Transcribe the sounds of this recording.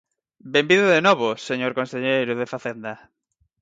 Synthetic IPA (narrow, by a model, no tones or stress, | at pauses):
bembiðʊðenoβoseɲoɾkonseʎejɾʊðefaθend̪a